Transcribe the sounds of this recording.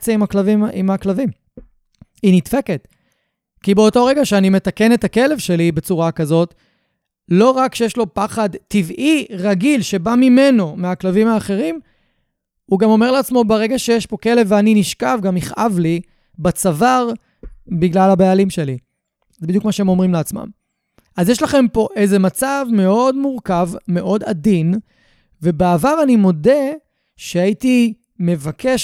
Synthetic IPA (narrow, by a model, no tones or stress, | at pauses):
t͡seimaklavimimaklavim | initfeket | kibeoto̞ʁe̞ɡaʃeanime̞take̞net̪ake̞le̞vʃe̞libet͡suʁakazo̞t | lo̞ʁakʃejeʃlo̞paχadtivʔiʁaɡilʃe̞bamime̞no̞meaklavimhaːχe̞ʁim | uɡamo̞me̞ʁleat͡smo̞beʁe̞ɡaʃejeʃpo̞ke̞levːeaniniʃkavɡamiχʔavli | bat͡savaʁ | biɡlalabaalimʃeli | zebid̪jukmaʃeemo̞mʁimleat͡sma̰m | ʔazjeʃlaχe̞mpo̞ʔejze̞mat͡savme̞o̞dmuʁkavme̞ʔo̞da̰din | ve̞beavaʁanimo̞de̞ | ʃeaiti | me̞vakʰeʃ